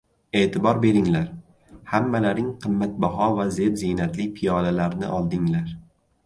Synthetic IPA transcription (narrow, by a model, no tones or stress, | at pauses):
e̞ːt̪ʰɪbɒɾbe̞ɾɪŋlaɾ | hamːalaɾɪŋqʰɨmːat̪̚baɦɒvaze̞ɾzinat̪lɪpʰijɒlalaɾnɪ̰ʔɒlˠd̪ɪŋlaɾ